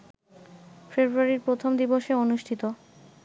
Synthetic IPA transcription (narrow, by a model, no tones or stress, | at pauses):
febɾuaɾiɾpɾot̪ʰomd̪iboʃeonuʃʈʰit̪o